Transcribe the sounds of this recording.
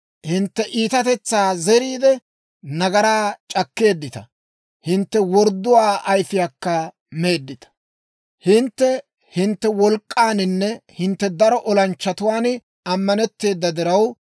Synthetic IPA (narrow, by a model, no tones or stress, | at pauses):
hɪnt̪ːɛʔiːt̪ɐt̪ɛt͡sːaːzɛɾiːd̪ɛ | nɐɡɐɾaːt͡ʃʼɐkːe̞ːd̪ːɪt̪ɐ | hɪnt̪ːɛwɔɾd̪ːʊwaːʔɐjfɪjakːɐ | me̞ːd̪ːɪt̪ɐ̥ | hɪnt̪ːɛ | hɪnt̪ːɛwɔlkʼːaːnɪnːɛhɪnt̪ːɛd̪ɐɾɔʔɔlɐnt͡ʃːɐt̪ʊwaːn | ɐmːɐnɛt̪ːe̞ːd̪ːɐd̪ɪɾɐw